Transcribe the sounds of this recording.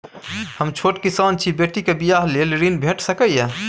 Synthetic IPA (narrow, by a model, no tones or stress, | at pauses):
həmt͡ʃʰoʈkisant͡ʃʰibeʈikebijaɦlelɾinbʱeʈsəkəja